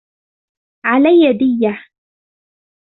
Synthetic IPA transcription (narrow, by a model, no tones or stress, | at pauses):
ʕalajːad̪ɪjːa